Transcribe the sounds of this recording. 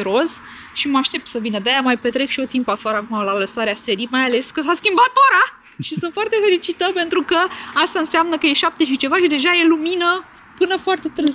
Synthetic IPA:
ɾoz | ʃiməaʃt̪e̞p̚t̪səvinəd̪eajamajpe̞t̪ɾe̞kʃio̞t̪impafaɾəakumalaləsaɾease̞ɾimajale̞skəsaskʲimbat̪oɾa | ʃisunt̪foart̪e̞fe̞lit͡ʃit̪əpe̞nt̪ɾukəast̪aɨnseamnəkəje̞ʃap̚t̪e̞ʃ̬it͡ʃe̞vaʃid̪e̞ʒaje̞luminə | pɨnəfoart̪e̞t̪ɨɾz

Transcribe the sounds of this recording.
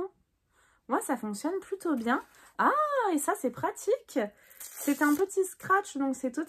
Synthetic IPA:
mwasafɔ̃ksjɔnplyt̪objɛ̃ | aesasɛpχat̪ʰikʲ | sɛt̪ɛ̃pət̪iskχat͡ʃd̪ɔ̃ksɛt̪ut̪

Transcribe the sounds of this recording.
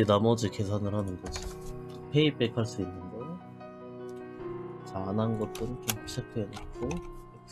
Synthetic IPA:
inamʌd͡ʑike̞sʰanɯɭɦanɯnɡʌd͡ʑi | pʰe̞ipekʰaɭs͈uinːɯnɡʌ | t͡ɕanɦanɡʌt̚t͈ɯɾɯnt͡ɕemʰuɕʰek̚t͈ʰenak͈o

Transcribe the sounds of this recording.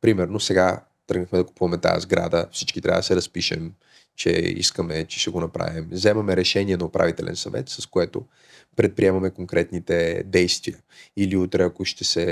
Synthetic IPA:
pɾimɛɾnosɛɡa | t̪əɡnəxmɛd̪ɐku̥puvɐmɛt̪a̰jə̰zɡɾa̰d̪əfsit͡ʃkit̪ɾʲavɐ̰d̪ɐsɛɾɐspiʃɛ̰m | t͡ʃɛ̰ḭskəmɛt͡ʃɛ̥ʃt̪ɛɡonɐpɾa̰vimzɛmɐmɛɾɛʃɛniɛnɐopɾa̰vit̪ɛlɛ̰nsɐvɛ̰t̪sɐskoɛt̪o̰ | pɾɛt̪̚pɾiɛmɐmɛkoŋkɾɛt̪nit̪ɛd̪ɛjst̪vijə | iliut̪ɾɛɐkoʃt̪ɛsɛ

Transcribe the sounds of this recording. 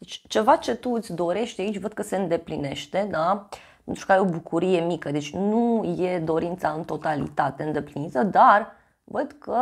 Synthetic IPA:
d̪et͡ʃʲt͡ʃe̞vat͡ʃe̞t̪uɨt̪sʲd̪o̞ɾe̞ʃt̪eait͡ʃʲvəd̪̚kəse̞ɨnd̪e̞pline̞̰ʃt̪e̞d̪a | pent̪ɾukaɾeo̞bukuɾije̞mikəd̪e̞t͡ʃʲnuje̞d̪o̞ɾint̪saɨnt̪o̞t̪alḭt̪at̪e̞ɨnd̪e̞plinit̪əd̪ar | vəd̪kə

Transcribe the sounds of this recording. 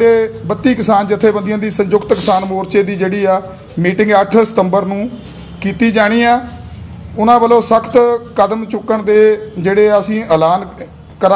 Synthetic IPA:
eːbət̪ːiːkɪsaːnd͡ʒɪt̪ʰːeːbənd̪ɪãːd̪iːsəɲd͡ʒʊkt̪kɪsaːnmoːɾt͡ʃeːd̪iːd͡ʒeːɽiːaː | miːʈɪŋɡəʈʰsə̥t̪əmbəɾnũː | kiːt̪iːd͡ʒaːɽ̃iːaː | ʊnãːbəloːsəkʰt̪kəd̪əmt͡ʃʊkːəɳd̪eːd͡ʒeːɽeːəsĩːəlaːn | kəɾ

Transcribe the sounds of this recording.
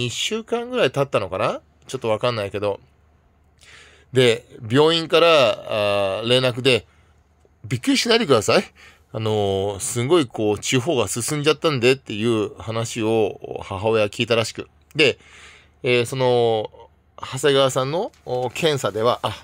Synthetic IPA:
iɕɨːkãŋɡɯ̟ɾait̪at̪ːano̞kana | t͡ɕo̞t̪ːo̞β̞akãnːaike̞d̪o̞ | d̪e̞bʲjo̞ːĩŋkaɾa | ɾe̞ːnak̬ɯ̟d̪e̞ | bʲikːɯ̟ɾʲiɕinait̪ekɯ̟d̪asai | ano̞sɨ̃ŋɡo̞iko̞ːt͡ɕiɦo̞ːɡasɨsɨ̃ɲ̟d͡ʑat̪ːãnd̪e̞t̪ːe̞jɯ̟ːhanaɕio̞̰haɦaojakʲiːt̪aɾaɕi̥kɯ̟ | d̪e̞ | eːso̞no̞ | haseɡaβasãnːo̞kʰẽ̞ɰ̃sad̪e̞βaʔa

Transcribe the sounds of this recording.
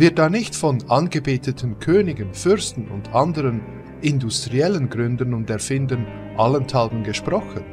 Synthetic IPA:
vɪɐt̚d̥aːnɪçtfɔnanɡebeːtətʰən̩kʰøːnɪɡənfʏɾstn̩ʊ̰ndandəɾən | ɪndustʁ̥iɛlənɡʁʏndənʊndɛɐfɪndən | ʔaləntʰalbən̩ɡəʃpʁ̥ɔxən

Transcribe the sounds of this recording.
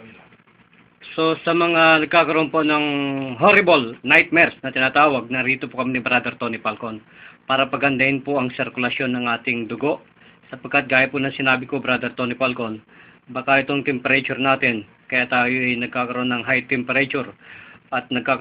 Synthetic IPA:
so̞sɐmɐŋanɐɡ̚kaːkɐɾoʔonpo̞nɐŋɦoɾɪbolnajt̪̚mɛɾsnɐt̪ɪnaːt̪aːwɐɡ̚nɐɾit̪opokɐminɪbɾad̪ɛɾt̪o̞nɪpalkon | paːɾɐpɐɡɐnd̪ɐhɪnpʊʔɐŋsɪɾkʊlɐʃjo̞nːɐŋʔaːt̪ɪŋd̪ʊɡo̞ʔ | sɐpɐɡ̚kːat̪̚ɡaːjɐpʊnɐŋsɪnaːbɪkobɾad̪ɛɾt̪o̞nɪpalkon | bakɐʔɪt̪o̞ŋt̪ɛmpɛɾɐt͡ʃʊɾnaːt̪ɪn | kɐjaʔt̪aːjoʔɐjnɐɡ̚kakɐɾoʔonːɐŋɦajt̪ɛmpɛɾɐt͡ʃuɾʔɐt̪̚nɐɡ̚kaːk

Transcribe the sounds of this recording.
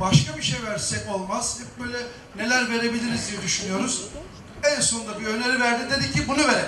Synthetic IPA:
baʃkabiʃejvæɾsɛko̞lˠmazd̪ɛp̚bøːjlʲɛ | ne̞lʲæɾve̞ɾe̞bilʲiɾizd̪ijɛd̪yʃynyjo̞ɾuz̥ | ɛnso̞nd̪abiønʲeɾivæɾd̪id̪e̞d̪icʰːibunuve̞ɾe

